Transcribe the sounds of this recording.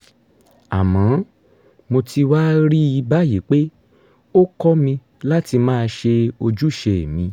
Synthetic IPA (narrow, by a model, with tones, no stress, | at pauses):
a̰˨mã˨˦ | mo˧tʰi˧wa˦ɾi˦i˧ba˦je˨˦k͡pe˦ | o˦kɔ˦mĩ˧ | la˦ti˧mãː˦˧ʃe˧o˧d͡ʒu˦˨ʃɛ˨mĩ˧